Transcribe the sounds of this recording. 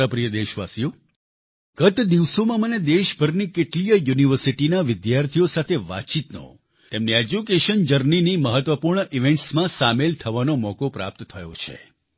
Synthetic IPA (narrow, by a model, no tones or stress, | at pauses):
əpɾijəd̪eʃʋasijo | ɡ̥ət̪d̪iʋsomãməned̪eʃbʱəɾnikeʈlijəjuniʋəɾsiʈinaʋɪd̪jaɾt̪ʰijosat̪ʰeʋa̰t͡ʃit̪no̰ | t̪emnied͡ʒukeʃənd͡ʒəɾniniməɦət̪ʋəpuɾɳəʔiʋẽɳʈsmãsamelt̪ʰəʋanomɔkopɾa̰p̚t̪t̪ʰːəjo̰t͡ʃʰḛ